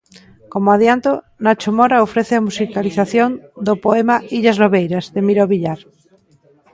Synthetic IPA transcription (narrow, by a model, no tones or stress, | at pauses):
komoaðjant̪o | nat͡ʃomoɾaofɾeθeamusikaliθaθjond̪opoemaiʎazloβejɾazðemiɾoβiʎaɾ